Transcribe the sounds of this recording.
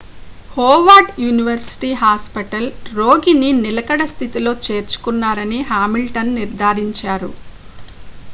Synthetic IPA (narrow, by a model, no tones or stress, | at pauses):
hoːʋaːʈjuːniʋɐɾsi̥ʈiːɦaːspɐʈɐlɾo̞ːɡininilɐkɐɽɐst̪ʰit̪ilo̞ːt͡ʃe̞ːɾt͡ʃu̥kunːaːɾɐniɦaːmilʈɐnːiɾd̪ʱaːɾiɲt͡ʃaːɾṵ